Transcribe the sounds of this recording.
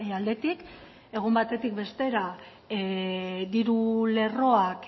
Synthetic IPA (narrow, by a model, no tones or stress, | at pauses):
ald̪e̞t̪ik | e̞ɣ̞umbat̪e̞t̪ikbe̞st̪e̞ɾa | d̪iɾule̞ro̞ak